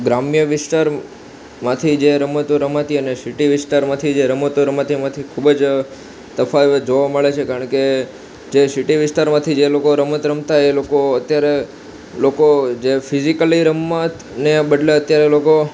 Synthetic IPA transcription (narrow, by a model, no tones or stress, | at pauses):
ɡɾamjəʋɪsʈaɾ | mãt̪ʰid͡ʒeɾəmət̪uɾəmat̪iənesiʈiʋɪsʈaɾmãt̪ʰid͡ʒeɾəmət̪uɾəmat̪ʰimãt̪ʰikʰubəd͡ʒ | səfad͡ʒoʋaməɭet͡ʃʰekaɾəɳke | d͡ʒesiʈiʋɪsʈaɾmãt̪ʰid͡ʒelokoɾəmət̪ɾəmt̪aelokoət̪jaɾe | lokod͡ʒefʰizikəliɾəmːat̪ | nebəɖleət̪jaɾeloko